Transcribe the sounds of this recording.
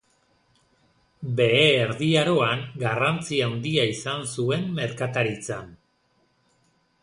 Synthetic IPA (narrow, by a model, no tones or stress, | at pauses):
be̞eːɾðiaɾo̞aŋɡarant͡siawnd̪iaisansue̞mme̞ɾkat̪aɾit͡san